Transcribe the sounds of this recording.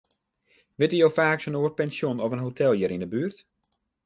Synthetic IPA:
ʋɪtyjowfaːksənoːət̚pɛnsjonɔvənɦotʰɛlˠjəɾindəbyərt

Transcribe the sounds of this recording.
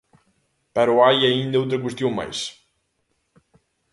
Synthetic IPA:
pɐɾuajɐĩnd̪ɐowt̪ɾɐkwest̪jõwma̰js

